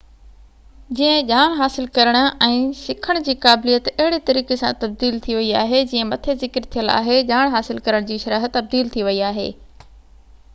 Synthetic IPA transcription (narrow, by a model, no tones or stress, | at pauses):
d͡ʑiːə̃ʄaːɽ̃ɦaːsɪlkɐɾəɽ̃ʊ̆ɛ̃ːsɪkʰəɽ̃d͡ʑiːkaːblijət̪ɐɦɪɽet̪ɐɾiːkesã̰t̪ɐb̚d̪iːlt̪ʰiʋɐiaːɦed͡ʑiːə̃mɐt̪ʰezɪkɪɾt̪ʰijəla̰ːɦeʄaːɽ̃ɦaːsɪlkɐɾəɽ̃d͡ʑiːʃɐɾaːɦ̆t̪ːɐb̚d̪iːlt̪ʰiʋɐiaːɦḛː